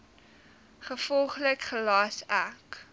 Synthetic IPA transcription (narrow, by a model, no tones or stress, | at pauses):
χəfɔlˠχləkχəlɑːsæk